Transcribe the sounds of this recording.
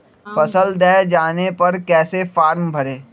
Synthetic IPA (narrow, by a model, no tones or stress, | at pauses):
fɐsəld̪ɛːd͡ʒaːnepɐɾkɛːsefaːɾmbʱɐɾeː